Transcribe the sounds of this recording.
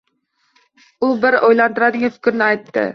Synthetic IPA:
ubɪɾojlˠɑnt̪ɨɾɑd̪ɪŋʲɪfɪ̥kʲɾnɪɑjt̪ːɪ̰

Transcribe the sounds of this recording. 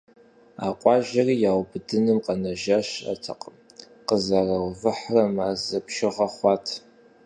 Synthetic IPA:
aːqʷʼɑːʒɐriːjaːwbɨdɨnɨmqɐnɐʒaɕa̰tʰɐ̰qʼəm | qəzarɐwvɨħrɐmaːzɐpʰʃɪʁɐχʷɑːtʰ

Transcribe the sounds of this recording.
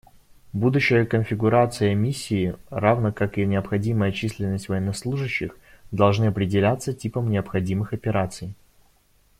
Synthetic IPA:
bud̪ʊɕːɪjəkənfʲɪɡʊɾat̪sɨjəmʲisʲːɪːravnəkakɨnʲɪəpxɐdʲiməjət͡ɕisʲlʲɪnːəsʲtʲvəjɛnːɐslˠuʐɨɕːɪx | d̪ɐlˠʐnɨɐpɾʲɪdʲɪlʲat̪sːətʲipəmnʲɪəpxɐdʲimɨxɐpʲɪɾat̪sɨj

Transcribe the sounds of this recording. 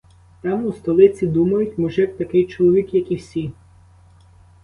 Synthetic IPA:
t̪ɑmust̪ɔlˠɪt͡sʲid̪umɐjʊtʲmɔʒɛt̪ɐkɪjt͡ʃɔlˠɔʋʲikjɐkiwsʲi

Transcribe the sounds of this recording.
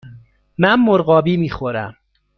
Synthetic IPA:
mænmoɾɢɒːbiːmiːxoɾæm

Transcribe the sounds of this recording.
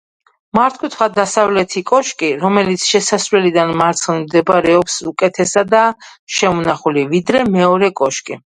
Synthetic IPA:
maɾt̪̚ʰkʰʼut̪ʰχad̪asavlɛt̪ʰikʼɔʃkʼiɾɔmɛlit̪sʰʃɛsasvwɛlid̪anmaɾt̪sʰχnimd̪ɛbɾɛɔpsukʼɛt̪ʰɛsad̪aʃɛmɔnaχulivid̪ɾɛmɛɔɾɛkʼɔʃkʼi

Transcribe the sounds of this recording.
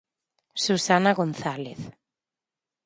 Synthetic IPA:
susanaɣonθaleθ

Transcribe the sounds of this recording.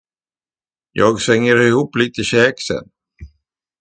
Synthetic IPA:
jɑːɡsɛŋːəɾɪhuːpːliːt̪əɕɛːksɛ̰n

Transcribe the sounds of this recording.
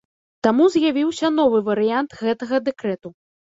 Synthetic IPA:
t̪amuzʲjavʲiwsʲɐnɔvɨvɐɾɨjant̪ɣɛt̪ɐɣɐd̪ɛkɾɛt̪u

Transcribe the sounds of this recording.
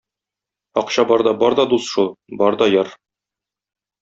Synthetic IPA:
ɒqɕɑbɒɾd̪ɒbɒɾd̪ɒd̪usʃulˠbɒɾd̪ɒjɑɾ

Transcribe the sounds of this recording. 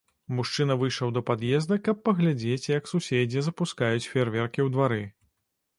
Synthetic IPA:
muʂt͡ʂɨnɐvɨjʂlɐwd̪ɐpad̪jɛzd̪ɐkɐpːɐɣlʲad͡zʲet͡sʲjɐksusʲed͡zʲizɐpuskajut͡sʲfʲeɛrvʲɛrkʲiwd̪vaɾɨ

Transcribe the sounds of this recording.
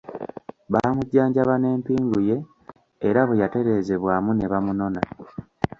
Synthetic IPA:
βaːmuɟːaːɲɟaβane̞ːmpiːŋɡuje̞ː | ɾaβejate̞ɾe̞ːze̞βwaːmune̞βamuno̞na

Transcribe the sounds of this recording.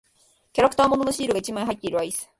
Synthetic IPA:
kʲaɾakɯ̟̥t̪aːmo̞no̞noɕiːɾɯ̟ɡait͡ɕimãĩɦait̪ːe̞iɾɯ̟aisɨ̥

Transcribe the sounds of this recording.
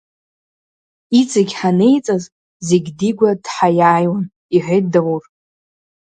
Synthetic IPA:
it͡sʼaɡʲħane̞jt͡sʼaz | zeɡʲdiɡʷad̥ħajaːjwan | iħʷet̚dawur

